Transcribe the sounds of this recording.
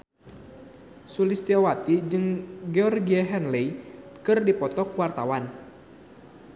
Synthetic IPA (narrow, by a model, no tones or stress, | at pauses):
sulist̪iɔwat̪id͡ʒɨŋɡeɔrɡiaɦɛnlɛjkɨrdipɔt̪ɔkuwart̪awan